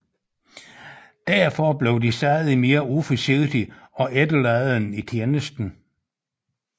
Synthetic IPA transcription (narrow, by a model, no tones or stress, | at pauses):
d̥æɐfɒb̥le̝ʊd̥isæð̩ˠime̝ːɐufɒseɡd̥iɒ̽ʔed̥əlæɪð̩ˠn̩it͡sʰjenəsd̥n̩